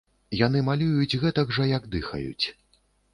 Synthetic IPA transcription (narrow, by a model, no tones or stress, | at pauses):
janɨmalʲujud͡zʲɣɛt̪ɐɡʐɐjɐɡd̪ɨxɐ̰jṵt͡sʲ